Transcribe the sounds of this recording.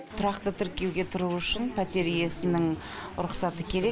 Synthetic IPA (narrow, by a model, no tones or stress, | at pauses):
t̪ʰʊɾɑqt̪ət̪ʰɪɾkʲe̞wɡʲe̞t̪ʰʊɾuʏʃɪnpʰat̪e̞ɾije̞sɪnɪŋ | ʊɾʊqsɑt̪əkʲʰe̞ɾe̞